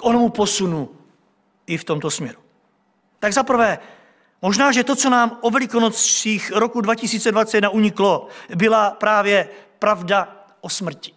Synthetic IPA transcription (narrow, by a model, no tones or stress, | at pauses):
kʔonomupo̞sunu | ɪft̪o̞mt̪o̞smɲɛɾu | t̪aɡzapr̩vɛː | mo̞ʒnaːʒɛt̪o̞t͡so̞naːmʔovɛlɪkonot͡sʃiːxɾokudvacɪsiːt͡sɛdvat͡sɛɛdnaʔuɲɪklo̞bɪlapɾaːvjɛpɾavda | ʔosmr̩cɪ̥